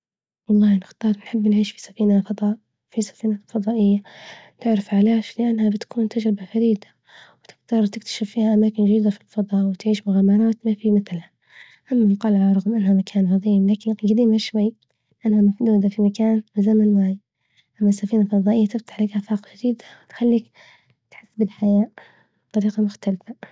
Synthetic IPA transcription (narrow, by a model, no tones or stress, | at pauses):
wɑlˤːɑːhnɪxt̪ɑːɾˤnħɪbːnʕiːʃfi̥sḁfiːnafɑd̪ˤɑːʔ | fisḁfiːnalfɑd̪ˤɑːʔɪjːat̪ɪʕɾɪfʕaleːʃlɪʔanːhabɪt̪kuːnt̪ʰad͡ʒɾɪbafaɾiːd̪a | wɪt̪ɪɡt̪ɑɾˤt̪ɪk̚t̪ʰḁʃɪfːiːhaʔamaːkɪnd͡ʒad̪iːd̪afilfɑd̪ˤɑːʔwɪt̪ʕiːʃmʊɣaːmɑɾˤɑːt̪mafimɪθlha | ʔamːaqɑːlʕɾˤɑɣmʔanːhamakʰaːnfɑðˤiːmlaːkɪnɡad̪iːmhaʃwajː | lɪʔanːhamafd̪uːd̪afimakaːnwɪzamanwaʕi | ʔamːasːafiːnalfɑðˤɑːʔɪjːat̪ɪft̪ḁħlakʔafaːqd͡ʒɪd̪iːd̪awɪt̪xalːiːk | t̪ħɪsːbɪlħajaːʔ | bt̪ˤːɑɾiːqɑmʊxt̪alfa